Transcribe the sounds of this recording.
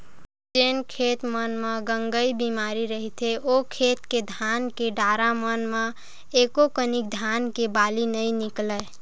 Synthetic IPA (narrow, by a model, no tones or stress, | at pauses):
d͡ʒenkʰet̪mənmeɡəŋɡəjbimaɾiɾəɦit̪ʰeokʰet̪ked̪ʱankeɖaɾamənme | ekokənik̚d̪ʱankebalinəjniklɛ